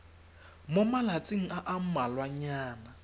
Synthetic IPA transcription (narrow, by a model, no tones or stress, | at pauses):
momalat͡sʼɪŋ̩aʔam̩malwaɲaːna